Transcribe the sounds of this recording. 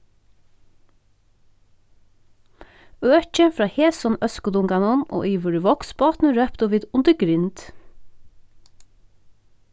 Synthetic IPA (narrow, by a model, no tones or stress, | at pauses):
øːt͡ʃəfɾɑːheːsɔnœskʊd̪ʊŋɡɑnɔnʔo̰ːʔiːʋəɹɪʋɔksbɑːt̪nəɾœpt̪ɔʋiːd̪ʊnd̪əɡɾɪnt̪